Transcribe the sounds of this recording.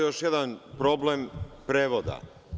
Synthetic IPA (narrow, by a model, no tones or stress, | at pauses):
jo̞ʃjed̪anpɾo̞blempɾeːʋod̪a̰